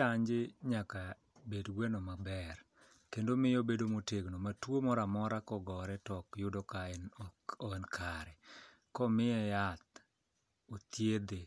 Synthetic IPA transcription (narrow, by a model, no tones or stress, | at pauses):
aɲd͡ʒɪɲaka | bedɡwɛnomabɛr | kendomɪjobedomoteɡnomatwomɔɾamɔɾakɔɡɔɾɛtɔkjʊdɔkaɛnɔɛnkʰaɾɛ | kɔmɪjɛjat̪̚ | ot̪jed̪e